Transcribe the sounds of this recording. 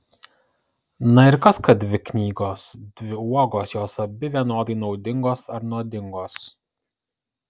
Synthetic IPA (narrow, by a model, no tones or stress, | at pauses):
nɐɪɾkɐskɐd̪ʲʋʲɪknʲiːɡoːsd̪ʲʋʲɪuɔɡoːsjoːsɐbʲɪʋʲiɛnoːd̪ɐɪnɒʊd̪ʲɪŋɡoːsɐɾnuːd̪ʲɪŋɡoːs